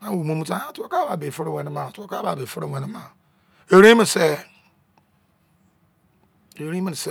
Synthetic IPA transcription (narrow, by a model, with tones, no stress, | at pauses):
a˦wu˨mũ˦mũ˦tã˦a˦to˦ka˦ba˨be˨fe˦ɾe˦wʷɛ̃˨nĩ˦ma˨to˦ka˦ba˨be˨fe˦ɾe˦˨wɛ̃˨nĩ˦ma˨ | e˨ɾẽ˦mĩ˨n˨se˦ | e˨ɾĩ˦mĩ˦˨se˦